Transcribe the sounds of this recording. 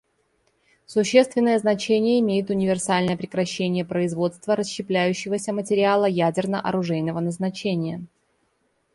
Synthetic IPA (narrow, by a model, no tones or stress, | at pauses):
sʊɕːest̪vʲɪnːəjəznɐt͡ɕenʲɪjəɪmʲejɪt̪ʊnʲɪvʲɪrsalʲnəjəpɾʲɪkɾɐɕːenʲɪjəpɾəɪzvo̞t̪st̪vəɾəɕːɪplʲæjʉɕːɪvəsʲəmətʲɪɾʲɪalˠəjædʲɪrnəʔɐ̰ɾʊʐɛjnəvənəznɐt͡ɕenʲɪjə